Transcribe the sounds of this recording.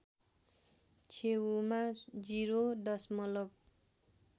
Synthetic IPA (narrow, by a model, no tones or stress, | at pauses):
t͡sʰewumad͡ziɾod̪ʌsmʌlʌb̚